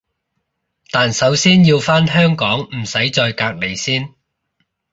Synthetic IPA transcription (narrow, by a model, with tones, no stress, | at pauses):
t̪aː˨nsɐ˨˥wsiː˥njiː˧wfaː˥nɦœː˥ŋkɔː˨˥ŋm̩˨˩sɐ˨˥jt͡ʃɔː˧jkaː˧k̚le˨jsiː˥n